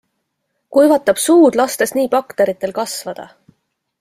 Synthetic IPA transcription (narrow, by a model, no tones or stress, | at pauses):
kujvɑt̪ːˑɑb̥suːd̪̥lɑst̪e̞sniːpɑkt̪eɾit̪ːˑe̞lkɑsvɑd̪̥ɑ̰